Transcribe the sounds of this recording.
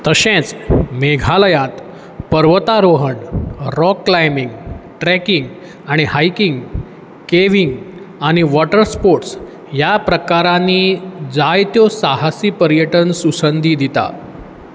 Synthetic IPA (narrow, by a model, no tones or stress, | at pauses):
t̪əɕẽt͡smeɡʱaləjat̪ | pəɾʋət̪aɾoɦəɳɾɔkːlajmiŋɡʈɾɛkiŋɡ | aɽ̃ihajkiŋɡ | keʋiŋɡ | aɽ̃iʋɔʈəɾspoɾʈs | japɾəkaɾãnːiːd͡zajt̪josaɦasiːpəɾjəʈənsusənd̪ʱiːd̪it̪a̰